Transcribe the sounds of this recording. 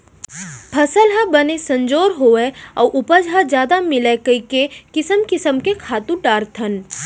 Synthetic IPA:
pʰɐsəlɦabənesɐ̃ɲd͡ʒoːɾɦoːeɔ̰ːʔʊpəd͡ʒɦad͡ʒjaːd̪amɪlekəikekɪsəmkɪsəmkekʰaːt̪ũʈaːɾt̪ʰən

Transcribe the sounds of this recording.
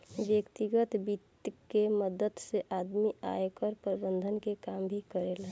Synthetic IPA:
ʋjəkt̪iɡət̪bit̪jkeməd̪ət̪seʔad̪mia̰jekəɾpɾbənd̪ʱənkekambʱikəɾel

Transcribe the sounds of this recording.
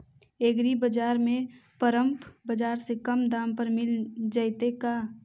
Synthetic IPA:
eːɡɾibəd͡ʒaːɾmẽpəɾə̃mpʰbəd͡ʒaːɾsekəmd̪ãːmpəɾmɪld͡ʒaːɪt̪ekaː

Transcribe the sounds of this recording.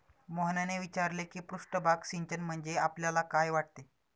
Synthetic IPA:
moɦnaneʋit͡ɕaɾlekiːpɾuʂʈəbʱaksiɲt͡ɕənm̤əɳd͡zeapljalakajʋaʈ̚t̪e

